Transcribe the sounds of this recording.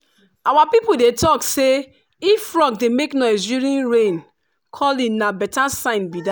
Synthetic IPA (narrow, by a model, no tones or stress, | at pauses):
awapipodetʰɔkse | ifːɹɔɡ̚demeknɔɪs̬diɹĩnɹẽn | kʰɔlĩnabɛtasãɪ̃nbida